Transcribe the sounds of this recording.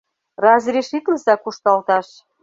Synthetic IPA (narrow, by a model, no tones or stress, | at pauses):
rɑzɾʲeʃit̪ləsɑkuʃt̪ɑlt̪ɑʃ